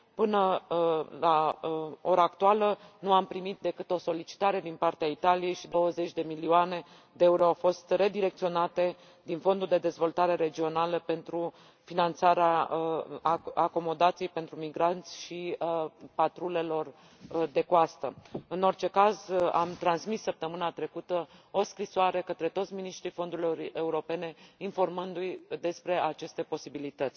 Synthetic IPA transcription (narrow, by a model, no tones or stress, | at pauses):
pɨnə | la | o̞ɾaːkt̪ualənuampɾimit̪̚d̪e̞kɨt̪o̞so̞lit͡ʃi̥t̪aɾe̞d̪inpart̪eait̪alije̞jʃid̪o̞wəze̞t͡ʃʲd̪e̞milioane̞ | d̪e̞euɾoawfo̞st̪re̞d̪iɾe̞kt̪sio̞nat̪e̞ | d̪info̞nd̪uld̪e̞d̪e̞zvo̞lt̪aɾe̞ɾe̞d͡ʒio̞naləpe̞nt̪ɾu | finant̪saɾea | ako̞mo̞d̪at̪sijejpe̞nt̪ɾumiɡɾant̪sʲʃi | pat̪ɾule̞lo̞r | d̪e̞koast̪əɨno̞rt͡ʃe̞kaza̰mt̪ɾansmisːəp̚t̪əmɨnat̪ɾe̞kut̪əo̞skɾisoaɾe̞kət̪ɾe̞t̪o̞t̪sʲminiʃt̪ɾifo̞nd̪uɾiloɾe̞uɾo̞pe̞ne̞info̞rmɨnd̪ujd̪e̞spɾe̞at͡ʃe̞st̪e̞po̞sibilit̪ət̪sʲ